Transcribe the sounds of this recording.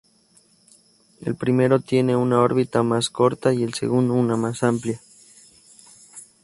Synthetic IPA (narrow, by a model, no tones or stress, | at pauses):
ḛlpɾime̞ɾo̞t̪je̞ne̞unao̞ɾβit̪amasko̞ɾt̪aie̞lsḛɣund̪ounamasamplja